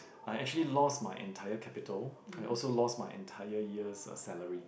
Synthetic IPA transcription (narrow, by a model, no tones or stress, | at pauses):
ʔajɛk̚t͡ʃuəlilɔstmaɪʔɛ̰̃ntʰajəkʰɛpitʰəlajʔɔlsolɔstmaɪʔɛ̰̃ntʰaɪəjiəssɛləɹi